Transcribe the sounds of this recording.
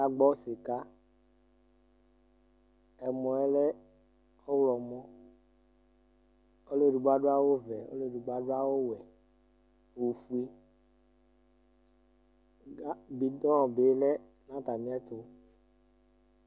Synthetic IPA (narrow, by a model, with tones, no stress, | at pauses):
a˦ɡ͡bɔ˦se˨ka˦ | ɛ˨mɔ̃˨ɛ˦lɛ˦ | o˦wlɔ˨mɔ̃˦ | o˦le˦˨du˨ɡ͡ba˦ɖo˦a˦wo˦vɛ˨o̰˦le˦˨du˨ɡ͡ba˦ɖo˦a˦wo˦wɛ˨ | wo˨fu˦i˦ | a˦bi˨dɔ̃˦˨be˨˦lɛ˦ | nã˦t̪a˨mĩ˦ɛ˦t̪o˨